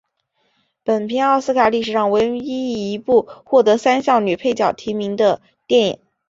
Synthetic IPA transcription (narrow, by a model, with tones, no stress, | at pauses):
pə˨˩npʰi˧˥nɑ˥˧ʊsɹ̩˥kʰa˨˩li˥˩ʂɻ̩˨˩ɻɑ˥˩ŋwə˧˥n˧i˥˩i˧˥pu˥˧xwɔ˥˩t̪ɤ˧˥sa˥nɕjɑ˥˩ʊny˨˩pʰe˥˧ɪt͡ɕjɑ˨˩ʊt̪ʰi˧˥mi˧˥ŋd̪ə˧ | t̪jɛ˥˩njḭ˨˩˦ŋ